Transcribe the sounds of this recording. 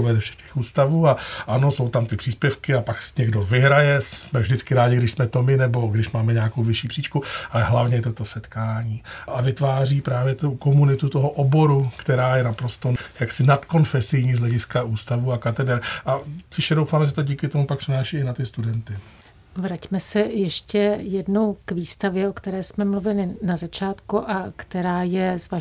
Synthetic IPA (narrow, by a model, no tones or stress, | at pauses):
vɛzɛfʃɛ̥xcɛ̥xuːst̪avuːaʔano̞so̞wt̪amt̪ɪpr̥iːspjɛfkɪapaksɲɛɡdo̞vɪɦɾajɛsmɛvʒdɪt͡skɪɾaːɟɪɡdɪʃsmɛt̪omɪnɛbo̞ɡdɪʃmaːmɛɲeako̞wvɪʃiːpr̥iːt͡ʃkuʔalɛɦlavɲɛjɛt̪ot̪o̞sɛt̪kaːɲiːʔavɪt̪vaːriːpɾaːvjɛt̪uko̞munɪt̪ut̪oɦoʔobo̞ɾukt̪ɛɾaːjɛnapɾo̞st̪o̞jaksɪnat̪ko̞nfɛsɪjɲiːzlɛɟɪskaʔuːst̪avuakat̪ɛdɛɾʔacɪʃɛdowfaːmɛʒɛt̪o̞ɟiːkɪt̪o̞mupak̚pr̥ɪnaːʃiːɪnat̪ɪst̪udɛnt̪ɪ | vɾacmɛsɛjɛʃcɛjɛdno̞wkviːst̪avjɛʔokt̪ɛɾɛːsmɛmluvɪlɪnazat͡ʃaːt̪kuʔakt̪ɛɾaːjɛzva